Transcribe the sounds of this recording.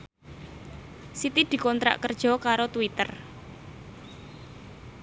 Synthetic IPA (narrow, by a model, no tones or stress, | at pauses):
sit̪id̪̥i̤kɔnt̪ɾa̰ʔkərd̥ʒ̥ɔ̤kaɾot̪wit̪ər